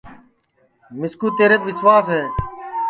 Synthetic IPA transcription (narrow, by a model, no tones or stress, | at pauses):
mɪskuːt̪eːɾeːkʋɪsʋaːsɦeː